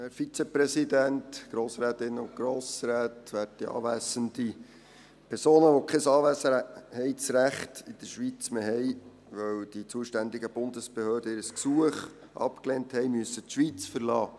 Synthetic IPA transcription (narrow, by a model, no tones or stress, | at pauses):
æfit͡sɛpɾɛsidæntɡ̥ɾoːsɾæːt̪ɪnːəʊn̚ɡ̥ɾoːsɾæːtʋæːɾttiɑ̰ːʋæːsənd̥i | pʰɛɾsoːnəʋokʰɛsɑːʋæsəhɛɪsɾæχtɪd̥əɾʃʋit͡smeɦɛɪ | ʋœwd̥it͡suəʃtænd̪iɡəb̥ʊndəsb̥ehøːdəɪɾəsksuəχ | ʔɑ̰pkleːnthɛɪmyəsətʃʋit͡sfəɾlɑː